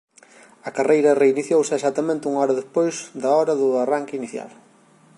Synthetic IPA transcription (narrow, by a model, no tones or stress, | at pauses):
ɐkarejɾɐreiniθjowsɪesat̪ːɐmẽnt̪ɪuŋɔɾɐðespojzd̪ɐɔɾɐðʊaraŋkɪiniθja̰l